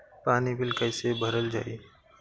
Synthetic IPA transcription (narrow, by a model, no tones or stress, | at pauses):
paːnibɪlkəɪsebʱəɾəld͡ʒa̰ːiː